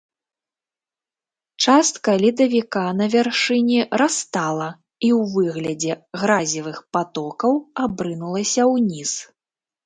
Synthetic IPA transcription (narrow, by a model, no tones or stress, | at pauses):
t͡ʂast̪̚kɐlʲid̪ɐvʲikanɐvʲarʂɨnʲiɾast̪alˠɐ | iwvɨɣlʲɐd͡zʲɛɣɾazʲivɨxpat̪ɔkɐwabɾɨnulˠɐsʲɐwnʲis